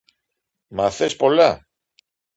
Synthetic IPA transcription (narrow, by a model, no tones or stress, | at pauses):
mɐθespo̞lɐ